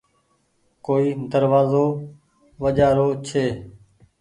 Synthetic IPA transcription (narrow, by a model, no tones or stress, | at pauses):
koːiːd̪əɾʋaːzoː | ʋəd͡ʒaːɾoːt͡ʃʰeː